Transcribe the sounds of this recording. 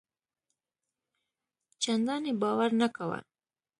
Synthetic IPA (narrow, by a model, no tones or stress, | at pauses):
t͡ʃand̪ɑnebɑwaɾnakawa̰